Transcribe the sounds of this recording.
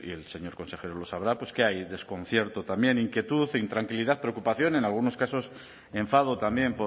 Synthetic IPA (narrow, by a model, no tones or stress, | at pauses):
ḭe̞lse̞ɲo̞ɾko̞nse̞xe̞ɾolo̞saβ̞ɾapwe̞ske̞ajðe̞sko̞n̟θje̞ɾt̪ot̪ambje̞niŋkje̞t̪uθnt̪ɾaŋkilið̞aθpɾeokupaθjo̞ne̞nalɣuno̞skaso̞s | e̞ɱfað̞ot̪ambje̞mpo